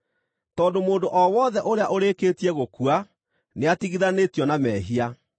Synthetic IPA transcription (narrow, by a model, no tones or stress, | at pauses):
tɔːndomoːndoʔɔwɔːðɛʔoɾeaʔoɾeːkeːtiɛɣokua | neatiɣiðanetjɔnamɛːɦia